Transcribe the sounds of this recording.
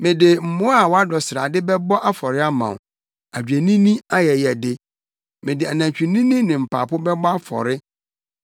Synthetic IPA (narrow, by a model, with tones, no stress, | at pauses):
mɪ̃˨dɪ˨m̩˨mõ˦a˨wɔ˦a˦dɔ˨sɾa̰˨dɪ˦bɛ˦bɔ˦ʔa˦fɔ˨ɾɪ˦a˦mã̰˨w | a˨d͡ʑᶣæ˨nĩ˦nĩ˦a˦jɛ˨jɛ˨dɪ˦ | mɪ̃˨dɪ˨a˨nã˨t͡ɕᶣi˨nĩ˦nĩ˦nɪ̃˨m̩˨pʰa̰ː˨pʊ˦bɛ˦bɔ˦a˦fɔ̰˨ɾɪ˦